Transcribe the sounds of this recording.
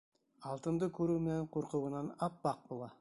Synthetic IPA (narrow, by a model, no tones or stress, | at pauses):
ɑlˠt̪ənd̪əkʲʰɵɾumeɴqʰoɾqəwənɑnɑp̚bɑq̚bolˠɑ